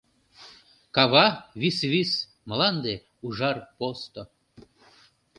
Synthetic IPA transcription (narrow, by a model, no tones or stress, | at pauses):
kɑβɑβisβis | məlɑnd̪e | uʒɑrpost̪o